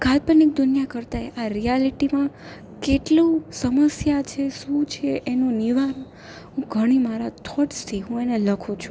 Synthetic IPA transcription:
kalpənik̚d̪ʊnjakəɾt̪aeʔaɾijaliʈimã | keʈlũsəməsjat͡ʃʰeʃũt͡ʃʰeʔːnũniʋan | ɦũɡʱəɽ̃imaɾat̪ʰɔʈst̪ʰiɦũeneləkʰũt͡ʃʰũ

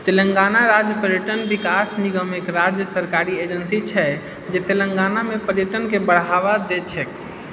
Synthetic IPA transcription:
t̪elə̃ŋɡanaɾad͡ʒjəpəɾijəʈənbikasniɡəmekɾad͡ʒjəsəɾkaɾied͡ʒənsit͡ʃʰɛ | d͡ʒet̪eləŋɡanamepəɾijəʈənkebəɽ̤aʋad̪et͡ʃʰɛk

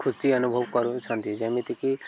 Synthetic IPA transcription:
kʰusiɐnubʱəʋkɐɾut͡ʃʰɐ̃nt̪id͡ʒɐmit̪iki

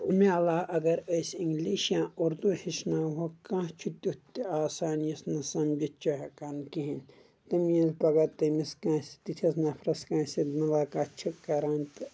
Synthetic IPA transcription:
mẽɐlaːɐɡɐɾɐːsiŋɡliːʃijãːoːɾd̪ohiʃnaːwokãːt͡ʃʰut̪ʲut̪ːiaːsaːnijɐsnɐsɐmd͡ʒɐt͡ʃɐɦɐkankiɦɐn | t̪ɐmiɐlpɐɡɐt̪ɐmiskãːsi̥t̪it̪ʰɐsnɐpʰɾɐskãːsid̪mɐlaːkaːt͡ʃʰɐkːɐɾãːnt̪

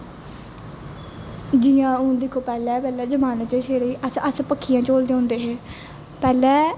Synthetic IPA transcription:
d͡ʒɪjãːʊ̃d̪ɪkʰːoːpɛːlɛːpɛːlɛːd͡ʒəmaːnət͡ʃeːʃʰeːɽiːʔəsəspəkʰːijãːt͡ʃoːld̪eːõːnd̪eːɦeː | pɛːlɛː

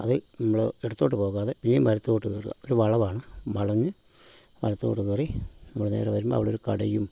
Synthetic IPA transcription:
ɐ̰ðɨnɐmːɐɭeɽɐt̪ːo̞ːʈːɨpo̞ːɣaːðepinːemʋɐɾɐt̪ːuoʈːuɣeːruɣɐ̰oɾuʋɐɭɐʋaːɳɨʋɐɭɐɲːɨ | ʋɐ̰ɾɐt̪ːukoʈːuɣerinɐmːɐɭneːɾeʋɐɾumbo̰ːɐ̰ʋiɭeoɾukɐ̰ɽɐjum

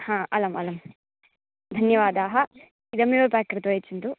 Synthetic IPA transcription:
hãːɐlɐmɐ̰lɐm | d̪ʱɐnjɐʋaːd̪aːɦɐ | id̪ɐmːilopaːkːɾɐt̪uet͡ʃːint̪u

